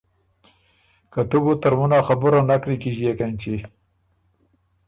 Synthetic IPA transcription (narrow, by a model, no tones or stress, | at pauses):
kat̪uɡut̪aɾmunaxabʊɾanakɽikiʒijekant͡ʃi